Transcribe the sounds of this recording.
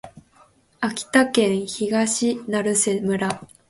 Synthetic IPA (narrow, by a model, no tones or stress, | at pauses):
akʲi̥t̪akẽ̞ɰ̃çiɡaɕinaɾɯ̟semɯ̟ɾa